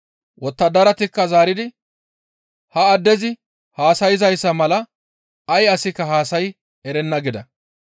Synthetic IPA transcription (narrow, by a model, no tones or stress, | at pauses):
wʔɔt̪ːɐd̪ɐɾɐt̪ɪkːɐzaːɾɪd̪ɪ | hɐːd̪ːɛzɪ | haːsɐjɪzɐjsːɐmɐlɐ | ɐjɐsɪkːɐɦaːsɐj | ɛɾɛnːɐɡɪd̪ɐ̰